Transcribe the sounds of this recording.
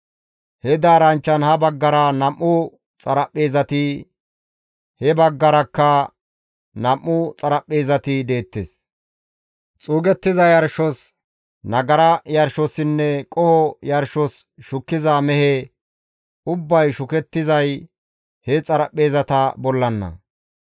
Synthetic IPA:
hɛd̪aːɾɐnt͡ʃːɐnhɐbɐɡːɐɾɐnɐmʔːʊ | t͡sʼɐɾɐpʼːeːzɐt̪ɪ | hɛbɐɡːɐɾɐkːɐ | nɐmːʊt͡sʼɐɾɐpʼːeːzɐt̪ɪd̪e̞ːt̪ːes | t͡sʼuːɡɛt̪ːɪzɐjɐɾʃɔs | nɐɡɐɾɐjɐɾʃɔsɪnːɛkʼɔhɔjɐɾʃɔs | ʃʊkːɪzamɛhɛ | ʊbːɐjʃʊkɛt̪ːɪzɐj | hɛt͡sʼɐɾɐpʼːeːzɐt̪ɐbɔlːɐnːɐ̰

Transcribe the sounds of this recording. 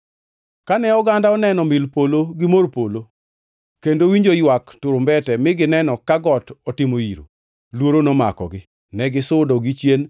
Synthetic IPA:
kanɛɔɡandaɔnɛnɔmɪlpoloɡɪmorpolo | kendowiɲd͡ʒojwaktʊɾʊmbɛtɛmɪɡɪnɛnɔkaɡɔtɔtɪmoiɾo̰ | lwoɾonɔma̰kɔ̰ɡɪ | nɛɡɪsʊdɔɡɪt͡ʃjen

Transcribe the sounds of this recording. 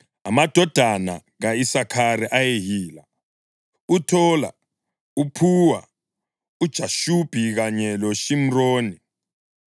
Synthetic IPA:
a̰mad̥ʱɔd̥ʱana̰ | ɣaisakʰaɾiʔajeɦiːla̰ | utʰɔla̰ | upʰuwa | ud̥ʒ̥ʱaʃub̥ʱiɣaɲɛloʃim̩roːni

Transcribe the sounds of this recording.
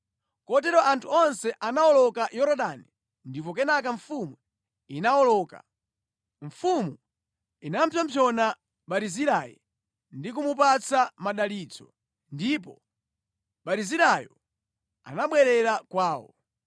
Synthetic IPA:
kɔtɛɾɔʔantʰuɔnsɛʔanaɔlɔkajɔɾɔɗani | ndip̬ɔkɛnak̬aɱfumu | inaɔlɔːka̰ | ɱfumu | inam̩pʰjɔmpʰjɔna | ɓaɾiziɾajḭ | ndik̬umupat͡samaɗalid͡zɔ | ndipɔ | ɓaɾiziɾajɔ | a̰naɓwɛɾɛɾakwaːwɔ̰

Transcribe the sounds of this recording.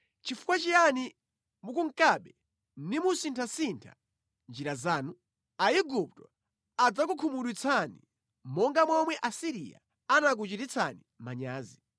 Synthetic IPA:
t͡ʃifu̥kwat͡ʃijani | mukuŋ̩kaɓɛ | ndimusintʰasintʰa̰ | nd͡ʒiɾazaːnu | aiɡup̚tɔ | ad͡zak̬ukʰumuɗwit͡sʰanḭ | mɔŋɡamwɔmwɛʔasiɾḭa̰ | anak̬ut͡ʃitit͡sʰa̰nimaɲaːzi

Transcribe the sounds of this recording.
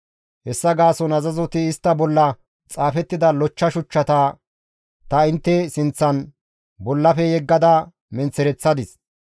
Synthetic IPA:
hɛsːɐɡaːsɔnɐzɐzɔt̪ɪɪst̪ːɐbɔlːɐ | t͡sʼaːfɛt̪ːɪd̪ɐlɔt͡ʃːɐʃʊt͡ʃːɐt̪ɐː | t̪ɐɪnt̪ːɛsɪnt͡sːɐn | bɔlːɐfɛjɛɡːɐd̪ɐ | mɛnt͡sːɛɾɛt͡sːɐd̪ɪs

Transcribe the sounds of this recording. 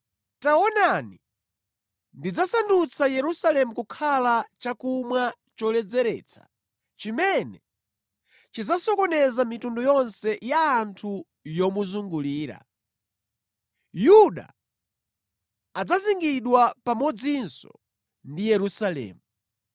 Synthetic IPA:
taɔnani | ndid͡zasandut͡sʰajɛɾusalɛmukukʰalat͡ʃakumwa | t͡ʃɔlɛd͡zɛɾɛ̰ːt͡sʰḁ̰ | t͡ʃimɛnɛ | t͡ʃid͡zasɔkɔnɛzamitundɔjɔnsɛjaːntʰu | jɔmuzuŋɡuliːɾa̰ | juɗa̰ | d͡zaziŋɡiɗwapamɔd͡zinsɔ̰ | ndijɛɾusalɛ̰ːmu

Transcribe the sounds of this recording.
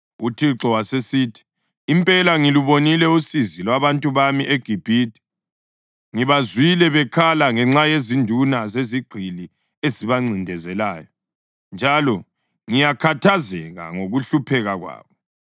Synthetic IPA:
utʰiǁɔwasesiːtʰi̥ː | mpʼɛlaŋiluβonilɛusizilwaβantʼuβamiʔeɡ̥ʱib̥ʱiːtʰʼi̥ | ŋiβazwilɛβɛkʰalaŋɛŋ͡ǁajezindʱunazeziɡ͡ǃʱili | eziβaŋ͡ǀindʱɛzɛlaːjɔ | nd͡ʒʱalɔ | ŋijakʰatʰazɛɣa̰ŋoɣuɬupʰɛɣaɣwa̰ːβɔ

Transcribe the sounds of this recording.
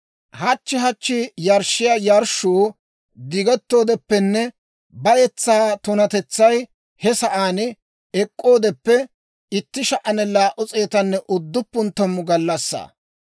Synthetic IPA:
hɐt͡ʃːɪɦɐt͡ʃːɪjɐɾʃːɪjaːjɐɾʃuː | d̪ɪɡɛt̪ːo̞ːd̪ɛpːɛnːɛ | bɐjɛt͡sːaːt̪ʊnɐt̪ɛt͡sːɐj | hɛsɐʔaːn | ɛkʼːo̞ːd̪ɛpːɛ | ɪt̪ːɪʃɐʔɐnɛlaːʔʊt͡sʼeːt̪ɐnːɛʔʊd̪ːʊpːʊnt̪ːɐmːʊɡɐlːɐsːa̰ː

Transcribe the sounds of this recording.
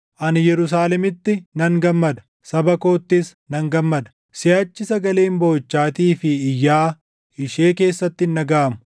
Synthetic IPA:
ʔɐnjɛɾʊs̬aːlɛmɪt̪ːɪnɐŋɡɐmːɐd̪ɐ̥ | sɐbɐko̞ːt̪ːɪsnɐŋɡɐmːɐd̪ɐ̥ | sɪɐt͡ʃːɪsɐɡɐleːmbo̞ːt͡ʃːaːt̪iːfɪːjːaː | ɪʃeːke̞ːsːɐt̪ːɪnːɐɡaːmʊ̥

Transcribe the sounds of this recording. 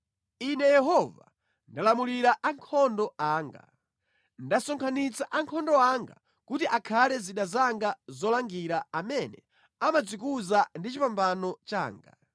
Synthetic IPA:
inɛjɛɦɔva̰ | ndalamuliɾaʔaŋkʰɔndɔaːŋɡa̰ | ndasɔŋkʰanit͡saʔaŋkʰɔndɔaŋɡa̰ | kutiʔakʰalɛziɗazaŋɡazɔlaŋɡiɾaamɛnɛ | amad͡zikuzandit͡ʃipambanɔt͡ʃa̰ːŋɡa̰

